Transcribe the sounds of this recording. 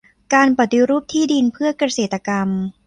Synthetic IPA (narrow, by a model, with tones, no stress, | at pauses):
kaː˧npa˨˩t̪ːi˧ɾuː˥˩p̚t̪ʰiː˥˩di˧npʰɯ˥˩ɐkɾa˧seː˨˩t̪ːa˧ka˧m